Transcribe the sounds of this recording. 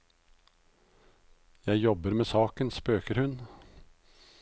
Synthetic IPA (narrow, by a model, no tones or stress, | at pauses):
jæɪjɔbəɾmeːsɑːkənspøːkəɾhʉn